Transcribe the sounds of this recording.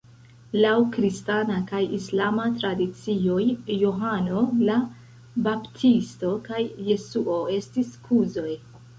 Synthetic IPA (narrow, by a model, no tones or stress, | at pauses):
lawkɾistanakajislamatɾadit͡sio̞jjoɦano̞la | baptʰisto̞kajːe̞suʔoe̞stiskʰuzo̞j